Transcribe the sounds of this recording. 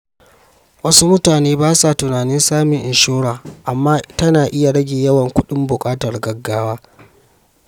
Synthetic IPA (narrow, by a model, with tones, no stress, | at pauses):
wɐ˦su˦mʊ˦taː˨neː˦baː˦sa˨tʊ˨naː˨nɪ˦nsaː˦mɪ˨ŋʔɪ˨nʃoː˦ɽaː˨ʔa˨mːaː˦tɐ˦naː˨ʔɪ˦ja˨ɽɐ˦ɡʲeː˨jɐ˦wɐ˨ŋkʷʊ˦ɗɪ˦mbʊ˨kʼaː˦tɐ˨rɡɐ˨ɡːaː˦waː˦